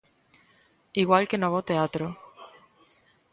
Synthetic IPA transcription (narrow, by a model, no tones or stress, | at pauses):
iɣwalkenoβot̪eat̪ɾo